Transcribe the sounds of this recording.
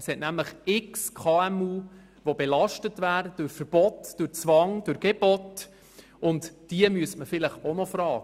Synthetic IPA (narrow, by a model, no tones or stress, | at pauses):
shɛtnæmləχɪkskʰɑːɛmuː | ʋɔbɛlɑʃtətvæːɾəd̥ʊɾfəɾb̥ɔtd̥ʊɾt͡sʋɑŋd̥ʊɾɡ̥ɛb̥ɔt | ʊntd̥iəmyəstməfɪləχɔnɔfɾɑːɡ